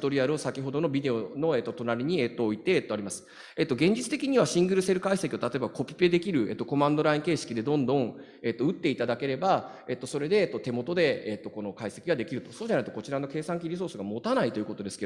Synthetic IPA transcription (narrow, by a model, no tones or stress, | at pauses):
t̪o̞ɾʲiaɾɯosakʲiɦo̞d̪o̞no̞bʲid̪e̞o̞no̞e̞t̪ːo̞t̪o̞naɾʲiɲ̟iet̪ːo̞ːit̪e̞ːt̪ːo̞aɾʲimasɨ̥ | e̞t̪ːoɡẽ̞ɲ̟d͡ʑit͡sɨ̥t̪e̞kʲiɲ̟iβaɕĩŋɡɯ̟ɾɯ̟se̞ɾɯ̟kaise̞kʲioat̪at̪o̞ebako̞pʲi̥pe̞d̪e̞kʲiɾɯ̟e̞̰t̪ːoko̞mãnd̪o̞ɾaĩŋke̞ːɕi̥kʲid̪e̞d̪õ̞nd̪õ̞ɴ | e̞t̪ːo̞ɯ̟t̪ːe̞it̪ad̪ake̞ɾe̞ba | e̞t̪ːo̞so̞ɾe̞d̪e̞ːt̪ːo̞t̪e̞mo̞t̪o̞d̪e̞et̪ːoko̞no̞kaise̞kʲiɡad̪e̞kʲiɾɯ̟t̪o̞so̞ːd͡ʑanait̪o̞ko̞t͡ɕiɾano̞ke̞ːsãŋkʲiɾʲiso̞ːsɨɡamo̞t̪anait̪o̞jɯ̟ko̞t̪o̞d̪e̞sɨ̥ke